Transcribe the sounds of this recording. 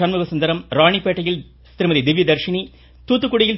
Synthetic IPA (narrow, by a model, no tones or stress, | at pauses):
ɐnmʊɣɐsɐnd̪ɐɾɐmɾaːɳipːeːʈːɐjɪl | st̪ɪɾɯmɐðid̪ɪʋːid̪ɐɾʂɪɳi | t̪uːt̪ːɯkːuɽɪjɪl